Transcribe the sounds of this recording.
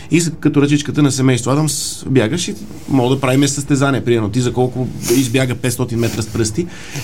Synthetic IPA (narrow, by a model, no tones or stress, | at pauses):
iskɐt̪oɾɐt͡ʃit͡ʃkət̪ənɐsɛmɛjst̪voad̪amsbjaɡəʃi | mɔɡd̪ɐpɾavimɛsəst̪ɛzaniɛpɾimɛɾnot̪izɐkɔlˠkʊizbjaɡəpɛt̪st̪ɔt̪inmɛt̪ɾəspɾɤst̪i